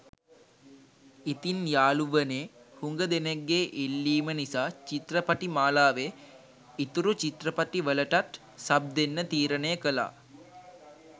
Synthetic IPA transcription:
it̪injaːluʋəneːhuŋɡəd̪eneɡːeːʔilːiːmənisaːt͡ʃit̪rəpaʈimaːlaːʋe | it̪uɾut͡ʃit̪ɾəpaʈiʋələʈat̪ | sab̚d̪enːət̪iːɾənəjəkəla̰ː

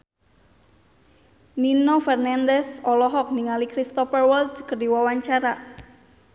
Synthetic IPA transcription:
ninɔfɛrnandɛsɔlɔɦɔk̚niŋalikɾist̪ɔfɛrwɔldskərdiwawaɲt͡ʃaɾa

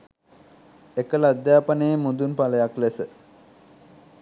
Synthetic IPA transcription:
ekəlad̪jaːpənejəmund̪unpaləjaklesə

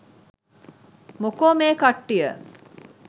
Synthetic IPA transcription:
mukoːmeːkaʈːijə

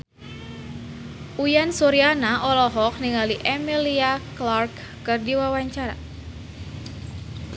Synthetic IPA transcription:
ʔujansɔɾianaʔɔlɔɦɔk̚niŋaliʔɛmiliaklarkːɨrdiwawaɲt͡ʃaɾa̰

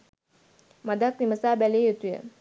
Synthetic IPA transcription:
mad̪ak̚niməsaːbæleːjut̪ujə̰

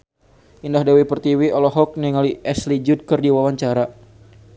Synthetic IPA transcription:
ʔindahdawipərt̪iwiɔlɔɦɔk̚niŋaliʔɛslid͡ʒud̚kərdiwawaɲt͡ʃaɾa

